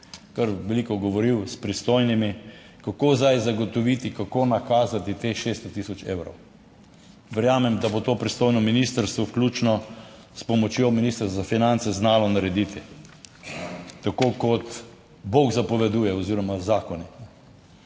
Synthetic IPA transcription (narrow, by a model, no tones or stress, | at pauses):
kəɾʋɛlikɔɡɔʋɔɾiwspɾist̪ojnimi | kakoːzd̪ajzaɡɔt̪ɔʋit̪ikakonakaːzat̪it̪exʃeːst̪ɔt̪isɔt͡ʃḛːwɾɔ̰w | ʋəɾjaːmɛmd̪abot̪oːpɾist̪oːjnɔminist̪əɾst̪ʋɔwklʲut͡ʃnɔ | spɔmɔt͡ʃjominist̪ɾszafinant̪sɛznaːlɔnaɾɛd̪it̪i | t̪akokɔt̪ | boɡzapɔʋɛd̪uːjɛɔziːɾɔmazaːkɔninɛ